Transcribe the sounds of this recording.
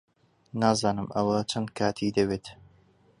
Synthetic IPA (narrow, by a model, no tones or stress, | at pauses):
naːzaːnɨmʔɐwɐt͡ʃʰɐnd̪̚kʰaːt̪ʰid̪ɐbeːt̪